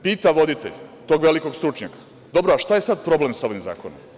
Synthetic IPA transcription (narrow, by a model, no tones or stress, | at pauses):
piːt̪aʋo̞d̪it̪e̞̰ʎt̪oːɡʋe̞liko̞ɡst̪ɾut͡ʃɲakḁ | d̪o̞bɾoaʃt̪aje̞sad̪pɾoble̞msao̞ʋimza̰ːkonom